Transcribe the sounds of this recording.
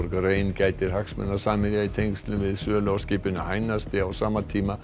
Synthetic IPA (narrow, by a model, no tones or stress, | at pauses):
ɾkreːjncaːjt̪ɪɾ̥haksmɛ̰nːḁsaːmɪljait̪ʰejŋkst̪lʏnvɪðsœːlowscɪːpʏnʏaːjnast̪ɪawsaːmat̪ʰiːma